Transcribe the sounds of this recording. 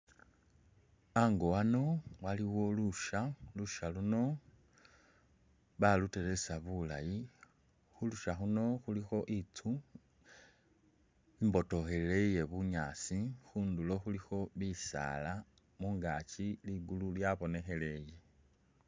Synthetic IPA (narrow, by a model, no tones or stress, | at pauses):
aŋɡo̞wano̞waliwo̞luʃaluʃaluno̞ | βalute̞ɾe̞saβula̰ji | xuluʃaxuno̞xulixo̞ʔit͡su | imbo̞to̞xe̞leje̞βuɲaːsixundulo̞xulixo̞βisa̰ːla | muːŋɡaciliɡululjaβo̞ne̞xe̞le̞je̞